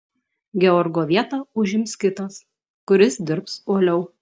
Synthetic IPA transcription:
ɡʲɛɔɾɡoːʋʲiɛt̪ɑˑʊʒʲɪmʲskʲɪt̪ɐs | kʊɾʲɪsd̪ʲɪɾpsoɔlʲɛʊ

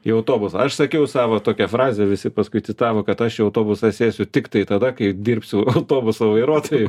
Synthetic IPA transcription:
iɐʊt̪oːbʊsɐɐʃsɐkʲɛʊsɑːʋoːt̪oːkʲɛfɾɑːzʲɛʋʲɪsʲɪpɐskʊɪt̪sʲɪt̪ɑːʋoːkɐt̪ɐʃɪɐʊt̪oːbʊsɑsʲeːsʲʊt̪ʲɪkt̪ɐɪt̪ɐd̪ɐkɐɪd̪ʲirʲpʲsʲʊɐʊt̪oːbʊsoːʋɐɪɾuɔt̪oːjɛ

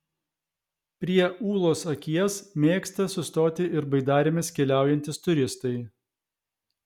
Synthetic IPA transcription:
pʲɾʲiɛuːlˠoːsɐkʲiɛsmʲeːkst̪ɐsʊst̪oːt̪ʲɪʔɪɾbɐɪd̪ɑːɾʲɪmʲɪskʲɛlʲæˑʊjɛnʲt̪ʲɪst̪ʊɾʲɪst̪ɐɪ

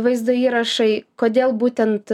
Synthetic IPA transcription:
ʋɐɪzd̪ʊiːɾɐʃɐɪkoːd̪ʲeːlˠbuːt̪ʲɛnt̪

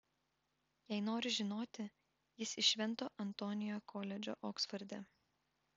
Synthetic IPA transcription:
jɛɪnoːɾʲɪʒʲɪnoːt̪ʲɪ | jɪsɪʃʲʋʲɛnˑt̪oːʔɐnt̪oːnʲɪjoːkʰoːlʲɛd͡ʒʲo̰ːʔɔːksfɐɾʲd̪ʲɛ

